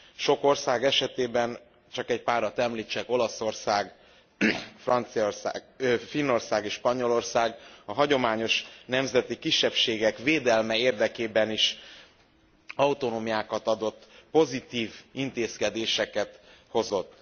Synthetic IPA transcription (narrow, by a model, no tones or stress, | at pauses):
ʃo̞ko̞rsaːɡɛʃɛt̪eːbɛn | t͡ʃɒkɛɟpaːɾɒt̪ɛmliːt͡ʃːɛko̞lɒso̞rsaːɡ | frɒnt̪siors | finːo̞rsaːɡeːʃpɒɲo̞lo̞rsaːɡɒɦɒɟo̞maːɲo̞ʃnɛmzɛt̪ikiʃːɛpʃeːɡɛkveːd̪ɛlmɛeːrd̪ɛkeːbɛniʃ | ɒut̪o̞noːmijaːkɒt̪ɒd̪o̞t̪ːpo̞zit̪iːvint̪eːskɛd̪eːʃɛkɛt̪ho̞zo̞t̪ː